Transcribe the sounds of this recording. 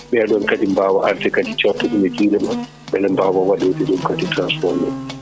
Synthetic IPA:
ɓɛɗɔnkadimbaːwaʔaltɛkaditɔwtːɔɗumɛd͡ʒiɾɛma | ɓɛlɛmbaːwawaɗotɛɗumkaditɾansfɔɾmɛ

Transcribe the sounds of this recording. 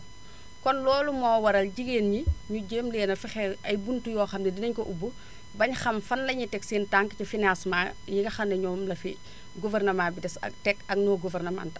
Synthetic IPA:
kɔnlɔːlumɔːwɐɾɐlɟiɡeːnɲiɲuɟeːmlɛːnɐfixɛɐjbuntujɔːxɐmnɛdinɐɲkɔʔubu | bɐɲxɐmfɐnlɐɲitɛksiːntaŋkɐcɐfinasmajiɡɐxɐnːɛɲɔːmlɐfi | ɡuvɛrnɐmaːbidɛsɐ̰k̚tɛkɐɡ̚nɔːɡuvɛrnɐma̰ntɐ

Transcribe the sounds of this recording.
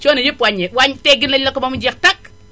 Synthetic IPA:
t͡ʃonejipwaɲewaɲteɡinelːekːumamud͡ʒektak

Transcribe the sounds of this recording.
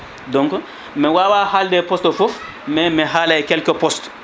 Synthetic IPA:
dɔ̃ŋk | mɛwawaːhaldɛpɔstɔfof | mɛmɛɦalajkɛlkɛpɔst

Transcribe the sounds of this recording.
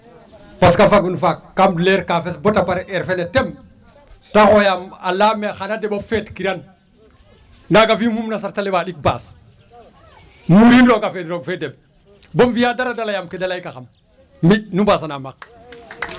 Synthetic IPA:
paskafaɡ̚inufakːamdleɾkafesbotapaɾʔeɾfenetem | taxojamalamexanadebafetkiɾan | naɡavimumnasaɾtalewalik̚ba̰ːs | muɾinɾoɡafedɾoɡfedeb̚ | bomvijadaɾadalajamkedalajkaxam | miɗ̚nubaːs̬anamak̚

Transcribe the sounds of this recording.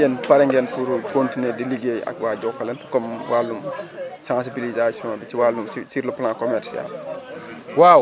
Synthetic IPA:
ɛnpɐɾɛŋɡɛnpuɾkontinɛdeliɡeɐ̰kwaːɟɔkːɐlɛnfukɔmwalːumsãnsibilizasijɔ̃ːbit͡ʃiwalːumsisiɾlɐplãːkɔmɛɾsia̰l | waw

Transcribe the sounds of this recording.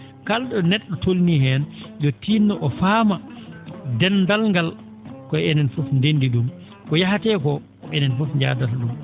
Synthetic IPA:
kalɗɔnɛɗːɔtolnihɛnjɔtinːɔʔɔfaːma | dɛndalŋɡal | kɔɛnɛnfɔfndendiɗum | kɔjaɦatɛːkɔ | ɔɛnɛnfɔfɲd͡ʒa̰ːdatɗum

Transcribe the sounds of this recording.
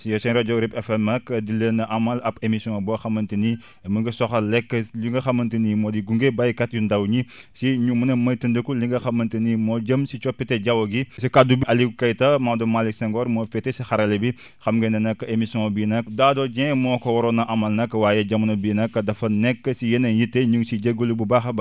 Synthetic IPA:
sijɔsɛnɾɐd͡ʒɔwɾipɛfɛmːɐkːɐdilːɐnɐʔɐmɐlɐpemisjɔ̃bɔːxɐmːɐntini | məŋɡɐsɔxɐlɛkːəliŋɡɐxɐmɐntinimɔːdiɡuŋɡebɐjkɐt̚jundɐwɲisiɲumɐnɐmɐjtəndəkuliŋɡɐxɐmɐntinimɔːɟɐmsit͡ʃɔpːitɛɟɐwɐɡisikadubiʔɐlikɐjtɐmawdɐmaliksaŋɡɔɾmɔfɛtesixɐɾɐlebi | xɐmɡendɐnɐkːɐemisiɔ̃ŋbiːnɐkdaːdɔd͡ʒɛ̃mɔːkɐwɔɾɔnɐʔɐmɐlnɐkːɐwaːjɛɟɐmunɐbiːnɐkːɐdɐfɐnɛkːɐsijenɐjitːeɲuŋsiɟeɡulububaxɐb

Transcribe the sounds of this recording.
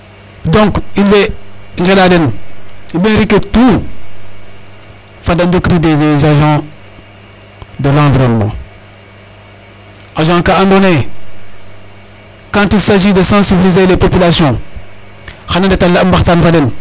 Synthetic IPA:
dɔ̃ŋkilːeŋɡeladenibẽnɾiketu | fadandokiɾidedezaʒã | dəlãːviɾommɔ̰ | ʔaʒãkaãndone | kãːtilsaʒidəsãsibilizelepopilasjɔ̃ | xanãndetalambaxtanfaden

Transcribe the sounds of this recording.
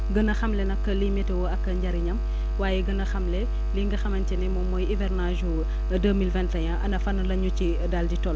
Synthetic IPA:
ɡənɐxɐmlɛnɐkːɐlimɛtɛwɔɐkːɐɲɟɐɾiɲɐm | waːjɛɡənɐxɐmlɛ | liŋɡɐxɐmɐntɛnɛmɔmɔjivɛrnaʒu | dəmilvɛnttɐɲaʔɐ̰nɐfɐnɐlɐɲuci | dalɟitɔl

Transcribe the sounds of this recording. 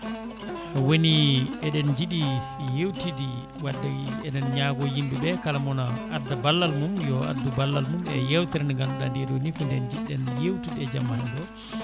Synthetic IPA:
woniɛɗɛnd͡ʒiɗi | jewtidi | wadːɛɛɗɛnɲaɡɔjimbibɛkalamɔnaadːabalːalmumjɔa̰dubalːalmumɛjɛwtɛɾɛnɡanuɗandiɾwonikundɛnd͡ʒiɗɛnjewtidiɛd͡ʒamːahandɔ

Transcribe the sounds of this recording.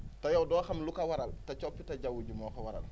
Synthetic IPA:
tɐjɔwdɔːxɐmlukɐwɐɾɐltɐt͡ʃɔpːitɐɟawuɟumɔːkɐwɐɾɐ̰l

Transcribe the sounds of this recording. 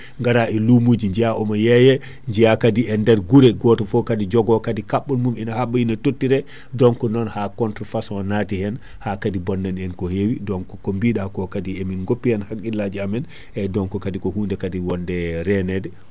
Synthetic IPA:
ŋɡaɾaʔɛlumud͡ʒiɲd͡ʒijaʔɔmajɛjɛ | ɲd͡ʒijakadiɛndɛɾɡuɾɛɡɔtɔfɔkadid͡ʒɔɡɔkadikaɓːɔnmumɛnahaɓːɔinatotːiɾɛ | dɔŋkɔnɔnhakɔntɾɔfasɔnatihɛn | hakadibɔnːanɛnkɔhewidɔŋkɔkɔmbiɗakɔkadiɛminɡopːihɛnhakːilːad͡ʒiamɛn | ʔɛdɔŋkɔkadikɔhundɛkadiwɔndɛɾɛnɛdɛ

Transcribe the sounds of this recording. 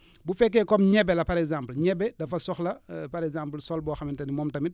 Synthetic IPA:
bufɛk̬ːɛːkɔmɲɛbɛlɐpɐɾɛkzampəlɲɛbːɛdɐfɐsɔxlɐpɐɾɛɡzampəlsɔlbɔːxɐmintɐnimɔːmtɐmit

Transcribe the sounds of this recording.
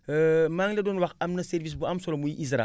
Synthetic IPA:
maŋledonwakamnaseɾvis̬buamsolomujiʔizɾa̰

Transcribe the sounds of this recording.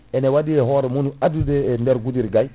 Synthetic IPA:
ɛnewadiɛɦoɾɛmunuadudendɛɾɡudiɾɡaj

